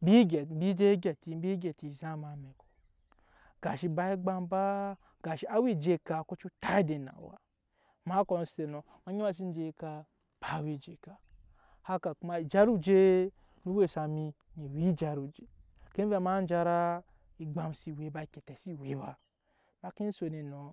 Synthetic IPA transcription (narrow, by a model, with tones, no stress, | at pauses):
bi˦ɡɛ˨˦bi˦d͡ʒe˦ɡʲɛ˨ti˨˦bi˦ɡe˨ti˨za˦ma˨˦me˨ko̥˨ | ɡ̥a˨ʃi˧ba˧i˦ɡ͡ba˦mba˦ | ɡ̥a˨ʃi˦a˦wi˦˨d͡ʒe˦ka˨ko˦t͡ʃu˦ta˦i˦de˨na̰˨wa̰˨ | ma˦ko˨n˦se˨no˨ | ma˨˦ɲi˦ma˦s̬i˦n˦d͡ʒe˧i˦ka˧ | b̥a˨˦˨wi˦˨d͡ʒe˨ka˨ | ha˦ka˨ku˦ma˧i˨d͡ʒa˦ɾu˦d͡ʒe˦ | nu˦we˦˨sa˨mi˧ɲi˨wi˦d͡ʒa˨ɾu˨d͡ʒe˨ | ke˦ve˦ma˦n˦d͡ʒa˧ɾa˦ | i˨ɡ͡ba˧msi˨we˨˦ba˧i˨ke˨tɛ˨si˦˨we˨˦ba˧ | ma˦ki˦n̩˦so˨ni˨no˨